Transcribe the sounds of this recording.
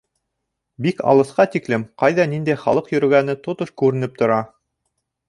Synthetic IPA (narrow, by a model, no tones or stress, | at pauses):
bikɑ̰lˠɤ̆θqɑt̪iklɘmqɑjðɑnind̪æjχɑ̰lˠɤqjɵ̆ɾɘ̆ɡænɘt̪ot̪oʃkʉɾɘ̆nɘp̚t̪ŏɾɑ